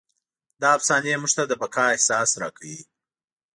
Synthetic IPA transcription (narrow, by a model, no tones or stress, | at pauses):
d̪ɑapsɑnemuʐt̪ad̪əbakʰɑɪhsɑsɾɑ̰kʰawi